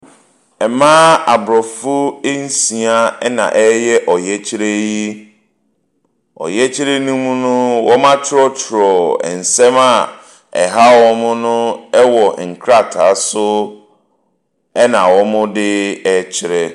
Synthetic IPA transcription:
ɛ˨mãː˦a˨bɾɔ˨fʊ˦e˦n̩˦sĩ˨a˦nã̰˨ʔɛ˦jɛ˦ʔɔ˨jɛ˦t͡ɕʰɪ˦ɾe˦ji˦ | ɔ̰˨jɛ˦t͡ɕʰɪ˦ɾe˦nũ˦mũ˦nʊ̃˦wɔ˦mã˦t͡ɕʰɪ˦ɾɔ˦t͡ɕʰɪ˨ɾɔ˨ɛ̰˨n̩˨sɛ̃˦ma˦˨ | ɛ̰˨ɦa˦wɔ˦mʊ̃˦nʊ̃˦ɛ˦wɔ˨ŋ̩˨kʰɾa˦tʰa˨˦sʊ˦ | ɛ˦nã˨wɔ˦mʊ̃˦dɪ˦ɛ˦t͡ɕʰɪ˦ɾɛ˨

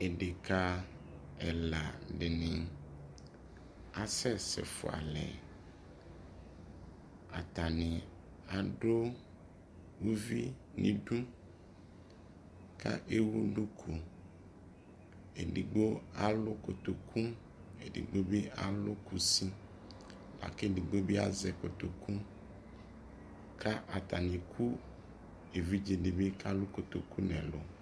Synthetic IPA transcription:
e˨ɖe˨ka˦ | ɛ˨la˨ɖɪ˨nɪ̃˨ | a˨sɛ˦sɛ̰˨fo̰˨a̰˨lɛ̰˨ | a˨t̪a˨nĩ˨ | a˨ɖo˦ | wu˦vi˦nḭ̃˦ɖũ˦ | ka̰˦ʔe˦wu˦ɖũ˦kʰu˨ | ḛ˨ɖi˨ɡ͡bo˦a˨lʊ˦ko˨t̪o˨kʰũ˦ | e˨ɖḭ˨ɡ͡bo˦be˦a˨lo˦ku˨si˦ | la̰˨ke˦di˨ɡ͡bo˦be˦a̰˦zɛ˨ko˨t̪o˨kʰũ˦ | kʰa˦ʔa˨t̪a˨nĩ˨kʰu˦ | e˨vi˦d͡ʒe˨ɖe˨be˦ka˦lo˦ko˨t̪o˨ku˦nɛ̰̃˨lo̰˨

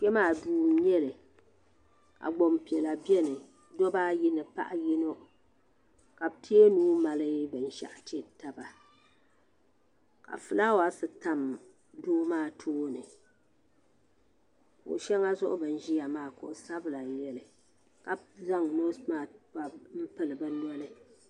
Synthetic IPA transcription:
kɛ˦maː˦˨duː˦ɲɛ˦lɨ˨ | ka̰˨ɡ͡bo˨mpi˨ɛ˨la˨bɛ˦nɨ˨ | dɔ˦ba˦ji˦nɨ˨pa̰˦ʔa˦ji˦no˦ʔ | ka˨btʰi˦e˦nuː˦ma˨lɨ˦bɨ˨n̩˦ʃa̰˦˨ʔtɛ˦ta˦ba˨ | ka̰˨fɨ˨laː˦wa˦sɨ˨ta˦m | doː˦maː˦˨tʰoː˦nɨ˨ | ko̰˨ʃɛ˦ŋa˦zʊ˦ʔʊ˦bɨ˨n̩˦ʒi˦ja˨maː˦˨kʊ˨ʔsa˦bɨ˦la˨jɛ˨lɨ˨ | ka˨za˦ŋ˨no˦smaː˦˨a˨m̩˦pɨ˦lɨ˨bɨ˦n˦ɔ˦lɨ˦

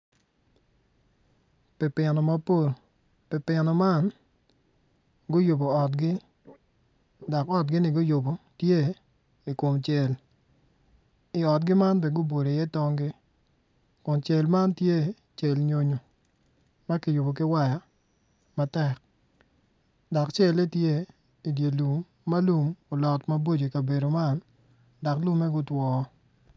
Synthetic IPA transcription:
pɛ˨pɪ˨nɔ˨ma˦po˦˨l | pɪ˨pɪ˨nɔ˨ma˦n | ɡʊ˦jo˨bo˨ɔ˨tɡɪ˦ | dɔ˨kɔ˦t̚ɡɪ˦nɪ˨ɡʊ˦jʊ˨bo˨tje˦ | i˨ko˨mt͡ʃe˨l | ɪ˨ɔ˨t̚ɡɪ˦ma˦nbɛ˨ɡʊ˦bo˨ɾo˨jɛ˦tɔ˦ŋɡɪ˦ | kʊ˨nt͡ʃe˨lma˦ntje˦ | t͡ʃe˨lɲo˨ɲo˨ | ma˦kɪ˨jʊ˨bo˨k̬ɪ˦wa˦ja˨ | ma˦tɛ˦˨k̚ | dɔ˨kt͡ʃe˦le˦tje˦ | i˨dje˨lu˨mː | a˦lu˨mo˨lɔ˨tma˦bo˦d͡ʒo˨ka˨be˨ɾo˨ma˦n | da˨klu˦mːɛ˦ɡʊ˦twɔ˨˦

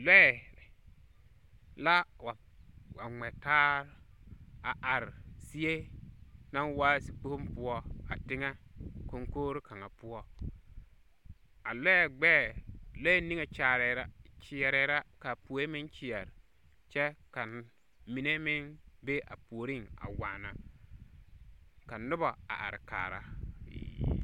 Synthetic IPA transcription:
lɛ˦˨ | la˦wa˨ | wa˨ŋ͡mɛ˨taː˦ɾ | a˨ʔa˨ɾsi˦e˦ | na˦waː˦si˨k͡po˦mpu˨˦ɔ˦a̰˨tɪ˦ŋa˦ko˦ŋkoː˦ɾka˨ŋa˨pʊ˦ɔ˦ | a˨lɛ˦ɛ˨ɡ͡bɛː˦˨lo˦ni˦ŋe˨t͡ʃaː˨ɾɛ˨ɾa˦t͡ʃɪ˨ɛ˨ɾɛ˨˦ɾa˦ka˨pu˨˦e˦mɪ˦nt͡ʃɪ˨ɛ˨ɾ | t͡ʃɛ˦ka˨n | mi˨ne˦mɪ˦nbe˦ʔa̰˨pu˨o˨ɾi˦˨ŋa̰˨wa˨na˨ | ka˨nʊ˦ba˨a̰˨ʔa̰˨ɾka̰ː˨ɾa̰˦˨

